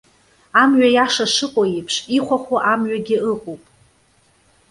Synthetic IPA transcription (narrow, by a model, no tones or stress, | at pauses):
amɥajaʂaʂɨqʼojepʰʂiχʷaχʷwaʔamɥaɡʲɪɨqʷʼowpʼ